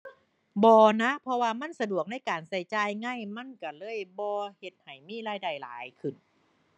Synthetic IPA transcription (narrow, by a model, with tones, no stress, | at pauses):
bɔː˧na˦˥pʰɔ˧waː˧ma˧˥˨nsa˧du˨˩ək̚na˧˥˩jkaː˨˩nsa˧˩jt͡ɕaː˧jŋaː˧˥˩jma˧˥˨nka˧˩lɤː˧˥˨jbɔː˧he˧˩t̪̚ha˨˩jmiː˧˥˨ɾaː˧˩jda˧˩jla̰ː˨˦jkʰɯ˨˩n